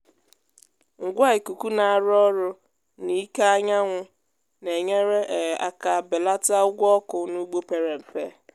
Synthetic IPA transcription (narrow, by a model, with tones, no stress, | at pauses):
ŋ̩˨ɡʷa˦ɪ˨ku˨ku˦na˨a˨ɾɔ˦ɾʊ˦ | ni˦ka˦a˦ɲa˦ŋʷʊ˦ | ne˨ɲe˦ɾe˦ʔe˨a̰˦ka˨bɪ˨la˦ta˦ʊ˦ɡʷɔ˦kʊ˨nu˦ɡ͡bo˦pe˨ɾe˨m̩˨fe˦